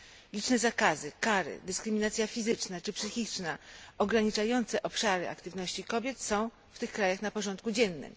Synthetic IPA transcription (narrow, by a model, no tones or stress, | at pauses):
lʲit͡ʂnɛzakazɘkaɾɘ̰d̪ɘskɾɘmʲinat̪sʲjafʲizɘt͡ʂnat͡ʂɘpsɘxʲit͡ʂnaɔɡɾaɲit͡ʂajɔnt̪sɛʔɔpʂaɾɘa̰kt̪ɘvnɔɕt͡ɕikɔbʲjɛt̪sɔ̃w̃ | ft̪ɘxkɾajaxnapɔʐɔnt̪̚kud͡ʑɛnːɘ̰m